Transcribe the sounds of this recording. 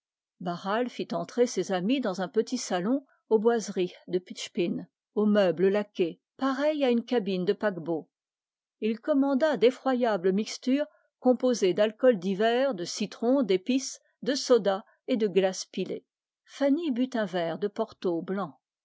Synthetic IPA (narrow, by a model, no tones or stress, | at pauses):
baʁalfit̪ɑ̃t̪χesezamid̪ɑ̃zɛ̃pət̪isalɔ̃ | obwazʁid̪əpitʃpin | omœbləlakʲe | paʁɛjaynkʲabind̪əpakbo | ilkɔmɑ̃d̪ad̪efχwajabləmikst̪yːʁ | kɔ̃pozed̪alkɔld̪ivɛʁd̪əsit̪χɔ̃d̪epis | d̪əsɔd̪a | ed̪əɡlaspilḛ | fanibyt̪ɛ̃vɛʁd̪əpɔʁt̪oblɑ̃